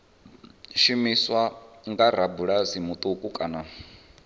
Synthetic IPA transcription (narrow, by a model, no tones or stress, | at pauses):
ʃimiswaŋɡaɾabuɺazimut̪ʼukʼukʼana